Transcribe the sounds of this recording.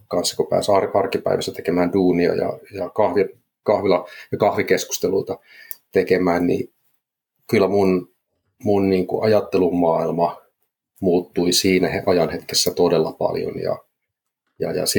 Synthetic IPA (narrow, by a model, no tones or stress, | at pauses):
kɑnsːɑ̥kupæ̰ːsɑrɑrkipæ̰iʋæsæt̪ekemæːnduːniɑ̰jɑ̰jɑkɑhʋi | kɑhʋilɑjɑkɑhʋikesku̥st̪eluit̪ɑ | t̪ekemæːnnḭ | kylːˑæmun | munniːŋkuʔɑjɑt̪ːelumːɑːilmɑ | muːt̪ːuisiːnæheʔɑjɑnhet̪kesːæt̪odelːɑpɑ̰ljo̰njɑ̰ | jɑ̰jɑ̰si